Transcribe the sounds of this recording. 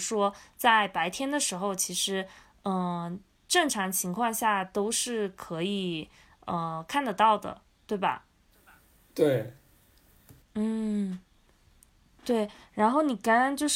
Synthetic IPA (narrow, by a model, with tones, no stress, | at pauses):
ʂwɔ˥t͡sa˥˩ɪpa˧˥ɪt̪ʰjɛ˥nd̪ə˨ʂɻ̩˧˥xo˥˧ʊt͡ɕʰi˧˥ʂɻ̩˧˥ | ə˧˩ | ʈ͡ʂɤ˥˩ŋʈ͡ʂʰɑ˧˥ŋt͡ɕʰi˧˥ŋkʰwɑ˥˧ŋɕja˥˩t̪o˥ʊʂɻ̩˥˩kʰɤ˧˥i˨˩ | ə˧kʰa˥˩nd̪ə˧˩t̪ɑ˥˩ʊd̪ə̰˩ | t̪we˥˩ɪbɐ̰˩ | t̪we˥˩ɪ | n̩˥˩ | t̪we˥˩ɪɻa˧˥nxo˥˩ʊni˨˩ka˥ɻa˧˥nt͡ɕjo˥˧ʊʂ